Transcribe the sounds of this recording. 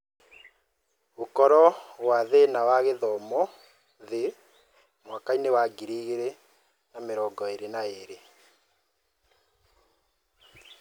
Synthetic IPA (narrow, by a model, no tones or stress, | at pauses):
okɔɾɔwaðenawaɣeðɔmɔ | ðe | mwakainewaɡiɾiɣeɾe | nameɾɔɡɔeɾenaeɾe